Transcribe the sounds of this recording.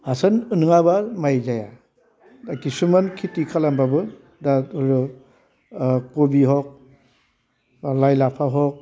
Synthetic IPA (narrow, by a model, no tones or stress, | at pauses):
hasanɯnɯŋabaɾmajzaja | akisumankʰitikʰalambabɯ | daɾu | kobiɦɔk̚ | lajlapʰaɦɔk̚